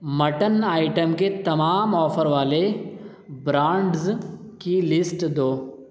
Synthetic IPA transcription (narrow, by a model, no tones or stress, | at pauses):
mɐʈənaːɪʈəmket̪ɐmaːmɔːfʰəɾʋaːle | bɾãːɳɖz | kilɪsʈd̪oː